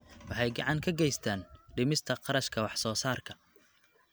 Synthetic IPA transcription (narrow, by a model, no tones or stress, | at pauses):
wɑħɑjɡɑʕɑŋkʰɐɡɛjst̪ʰaːnɖɪmɪst̪ʰɐqɑɾɐʃkʰɐwɑħsɔːsaːrkʰɐ